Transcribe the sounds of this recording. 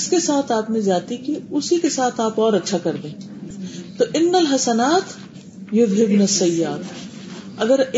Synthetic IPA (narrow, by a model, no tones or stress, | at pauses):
skesaːt̪ʰaːpmẽzaːt̪ikiʊsikesaːt̪ʰaːpɔːɾɐtːʃʰakɐɾd̪ẽː | t̪oːʔɪnːɐlɦɐsɐnaːt̪ | jʊbɦɪbnɐsːɐjaːt̪ | ɐɡəɾ